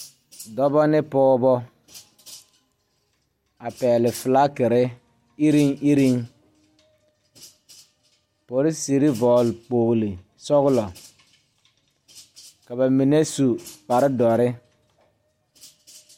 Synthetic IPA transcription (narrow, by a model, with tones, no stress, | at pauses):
dɔ˦bɔ˦nɪ˦pɔː˦bɔ˦ | a˨pɛː˨lɪ˨fɪ˨la˦kɪ˨ɾɪ˦ | i˦ɾi˦ŋi˦ɾi˦ŋ | po˨ɾɪ˦si˨ɾi˦vɔː˨lk͡poː˨ɣli˨ | sɔ˦ɣʊ˦lɔ˨ | ka˨ba˨mi˨ne˦su˨pa˨ɾɪ˦dɔ˨ɾɪ˦